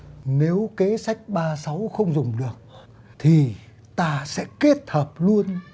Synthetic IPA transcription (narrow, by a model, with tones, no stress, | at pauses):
ne˨˦wke˨˦sa˦˥jk̟̚ɓaː˧sa˨˦wxə˧wŋ͡mzʊ˨˩ŋ͡mɗɨ˨˩ək̚ | t̪ʰi˨˩ | t̪aː˧sɛ̰˧˥ki˦˥ət̚həː˨˩p̚lu˧ən